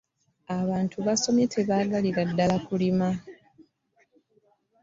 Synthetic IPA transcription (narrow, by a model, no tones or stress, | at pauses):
aβaːntʰuβaso̞mjetʰe̞βaːɡaliɾadːalakulima